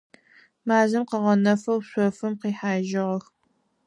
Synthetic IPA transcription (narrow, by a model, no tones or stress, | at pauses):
maːzɨmqɐʁɐnɐfɐwɕʷɔfɨmqiːħaːʒɪʁɐx